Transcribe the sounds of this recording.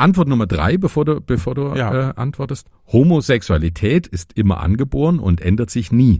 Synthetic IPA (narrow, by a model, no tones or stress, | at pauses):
ʔantv̥ɔɐtnʊmɐdʁa̰ɪbəfoːɐduːb̥əfoːɐduːʔɛːʔa̰ntv̥ɔɐtəst | homozɛksualitʰɛːtɪstʔɪmɐ̰ʔa̰nɡəboːʁənʊ̰ntʔɛndɐtz̥ɪçniː